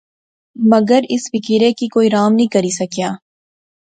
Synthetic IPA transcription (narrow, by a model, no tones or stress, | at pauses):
mɐɡəɾɪsfɪkiɾẽkikoːiɾaːmnĩkɐɾisɐkijaː